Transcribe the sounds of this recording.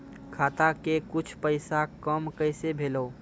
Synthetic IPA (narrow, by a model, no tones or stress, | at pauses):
kʰaːt̪akekʊt͡ʃʰpəɪsakəmkəɪsebʱeːloː